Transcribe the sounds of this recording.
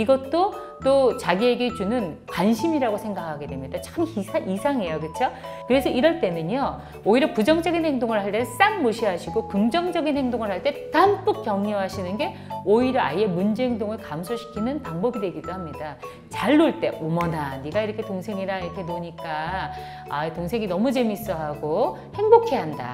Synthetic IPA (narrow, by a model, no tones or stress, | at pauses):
iɡʌt͈o | t͈ot͡ɕaɡie̞ɡe̞t͡ɕunɯnkwanɕʰimiɾaɡosʰe̞ŋɡakʰaɡe̞dwe̞mɲidat͡ɕʰʌɯmiaʔisʰaŋe̞jokɯt͡ɕʰo | kɯɾe̞sʰʌiɾʌɭt͈e̞nɯɲʌ | oiɾjʌpud͡ʑʌŋd͡ʑʌɡinhe̞ŋdoŋɯɭhaɭt͈es͈aŋmoɕʰiɦaɕʰiɡokɯŋd͡ʑʌŋd͡ʑʌɡinhe̞ŋdoŋɯɭɦaɭt͈e̞tamp͈uk̚k͈jʌŋɲuɦaɕʰinɯnɡe̞ | oiɾjʌaie̞mund͡ʑeeŋdoŋɯɭkamsʰoɕʰi̥kʰinɯnpaŋbʌbidwe̞ɡidoɦamɲida | t͡ɕaɭːuɭt͈e̞ʔomʌnaniɡaiɾʌkʰe̞toŋsʰe̞ŋiɾaiɾʌkʰe̞noɲik͈a | aitoŋsʰe̞ŋinʌmud͡ʑe̞mis͈ʌɦaɡo | he̞ŋbokʰe̞ɦanda̰